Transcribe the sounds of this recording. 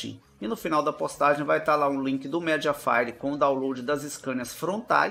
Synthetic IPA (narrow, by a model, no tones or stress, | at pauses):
ḭ̃ | ɪnʊfinawd̪ɐpost̪aʒẽj̃vajt̪aɾlaũlĩkɪd̪ʊmɛd͡ʒiɐfa̰jɾɪkõʊd̪awlowd͡ʒɪd̪ɐzɪskɐ̃ɲɐsfɾõnt̪a̰j